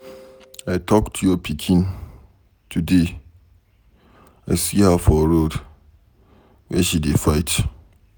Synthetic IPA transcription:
aɪtʰɔktʰujɔpʰikʰĩn | tʰude | aɪsihafɔɹod | wɛʃidefaɪt

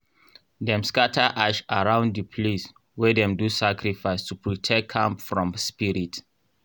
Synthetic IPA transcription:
dɛ̃mskatʰaʔaʃaɹãʊ̃ndəpʰles | wɛdɛ̃mdusakɹifaɪstupʰɹɔtʰɛkʰːãmpfɹɔ̃mspiɹit

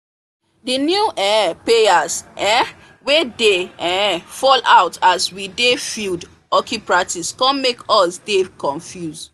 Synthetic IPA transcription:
dinjuʔɛpeasʔɛ | wedeɛfɔlaʊtazwidefild | ɔkʰipɹatiskɔ̃nmekɔsdekɔ̃ɱfjuz

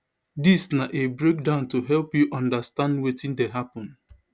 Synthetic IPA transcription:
disnaʔebɹek̚dãʊ̃ntuɦɛlpjuʔɔ̃ndastãndwetĩndeɦapɔ̃n

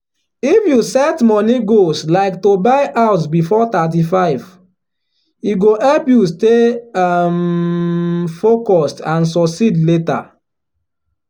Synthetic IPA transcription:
ifjusɛtmɔniɡoslaɪktobaɪʔaʊsbifɔtat̬ifaɪv | iɡohɛlpjuste | m | fokɔstãnsɔksidleta̰

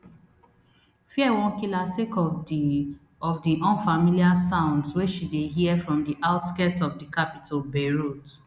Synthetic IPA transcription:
fiɛwɔ̃nkilasekɔ | ɔvdiʔɔ̃nfamiliasãʊ̃ndsweʃideɦiɛfɹɔ̃mdiʔaʊtskɛtɔvdikapitʰalbeɹot

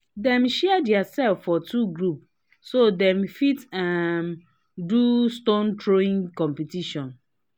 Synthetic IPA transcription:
dɛ̃mʃɛdɛasɛlfːɔtuɡɹup | sodɛ̃mfitam | dustõntʰɹoĩŋkɔ̃mpitiʃɔ̃n

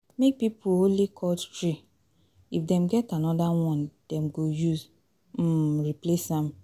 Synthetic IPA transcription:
mek̚pipuolikʰɔttɹi | ifdɛ̃mɡɛtanɔdawɔ̃nd̥ɛmɡojuz̩ | ɹiplesãm

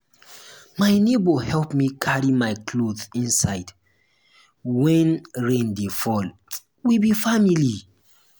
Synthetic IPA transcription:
maɪnebohɛlpmikʰaɹimajkʰloθĩnsaɪd | wɛ̃nɹẽndefɔl | wibifamili

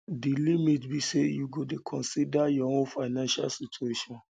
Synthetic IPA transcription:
dilimitbisejuɡodekʰɔ̃nsidajɔõnfaɪnãnʃa̰lsit͡ʃueʃɔ̃n

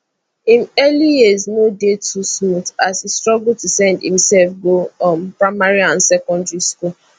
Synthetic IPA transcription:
ĩnɛlijiznodetʰusmutasestɹɔɡul̩tusɛ̃ndḭ̃msɛlfɡoɔ̃mpɹaɪmaɹiãnsɛkɔ̃ndɹiskul

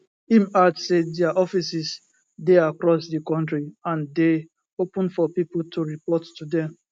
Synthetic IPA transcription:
ĩmadsedɛaʔɔfisis | deakɹɔsdikɔ̃ntɹiãnde | opə̃nfɔpipltuɹipɔtːudɛ̃m

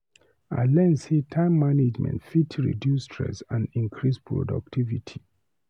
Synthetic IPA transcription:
alɛ̃nsetʰãɪ̃mːaned͡ʒmɛ̰̃ntfitʰɹḭdjustʰɹɛ̰sãndĩŋkʰɹispʰɹɔ̰da̰k̚tʰivitʰi

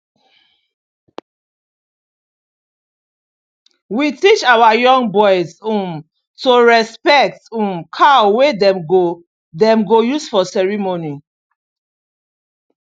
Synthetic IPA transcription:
witit͡ʃawajɔ̃ŋɡbɔjzũm | toɹɛspɛk̚tũmkʰawedɛ̃mɡo | dɛ̃mɡojusfɔsɛɹimoni

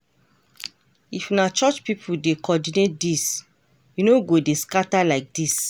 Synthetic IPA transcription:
ifnat͡ʃɔt͡ʃpipʰudekɔdinet̚dis | junoɡodeskatalaɪk̚dis

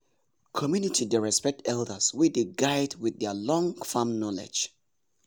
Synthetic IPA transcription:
kʰɔmjunitʰideɹɛspɛk̚tʰɛldəswideɡaɪdwiðɛlɔ̃ŋfãmnɔlɛ̰̥d͡ʒ

